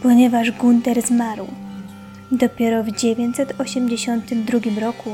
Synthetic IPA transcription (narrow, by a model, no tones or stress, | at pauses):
pɔɲɛvaʐɡunt̪ɛɾzmaɾw | d̪ɔpʲjɛɾɔvd͡ʑevʲeɲt͡ɕʲsɛt̪ʰɔɕɛmd͡ʑeɕɔnt̪ɘmd̪ɾuɡʲimɾɔku